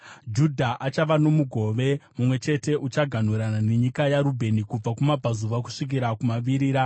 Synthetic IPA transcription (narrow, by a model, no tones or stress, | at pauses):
d͡ʒudʱaʔat͡ʃaʋano̞muɡʱo̞ʋe̞mumwe̞t͡ʃe̞te̞ʔut͡ʃaɡʱan̤uɾanane̞ɲikajaɾubʱe̞nikub͡vakumapazuʋak̬u̥ʂik̬iɾakumaʋiɾiːɾa